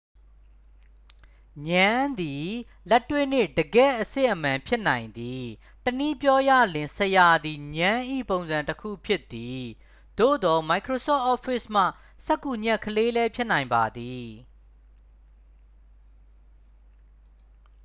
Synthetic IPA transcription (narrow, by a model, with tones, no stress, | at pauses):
ɲã˦nd̪i˨ | lɛ˦tːwe˦˨n̥ɪ̰˦˨dəɡɛ̰˦˨ʔəsɪ̰̃˦˨ʔəmã˨mpʰjɪ˦ʔnã˨ɪ̃nd̪i˨ | təni˦pjɔ˦ja̰˦˨lɪ̃˨səja˨d̪i˨ɲã˦ʔḭ˦˨põ˨ʊ̃nzã˨ntəkʰṵ˦˨pʰjɪ˦t̪ːi˨ | d̪̥o̰˦˨d̪ɔ˨ma˨ɪkʰɹo˨sɔ̰˦˨ʔɔ˦fɪ˦˨sm̥ä̰˦˨ | sɛ˦kːu˨ɲɛ˦˨kʰəle˦lɛ˦pʰjɪ˦ʔnã˨ɪ̃mba˨d̪i˨